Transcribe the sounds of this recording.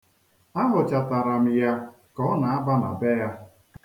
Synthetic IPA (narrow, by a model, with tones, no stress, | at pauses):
a˦ɦʊ˨t͡ʃa˨ta˨ɾa˨m̩˨ja˦ | kɔ˦na˨a˦ba˦na̰˨be˦ja˦